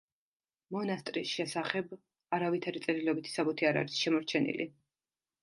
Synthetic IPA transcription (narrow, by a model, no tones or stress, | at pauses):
mɔnast̪ʼɾisʃɛsaχɛb | aɾavit̪ʰaɾit̪sʼɛɾilɔbit̪ʰi̥sabut̪ʰiaɾa̰ɾisʃɛmɔɾt͡ʃʰɛnḭli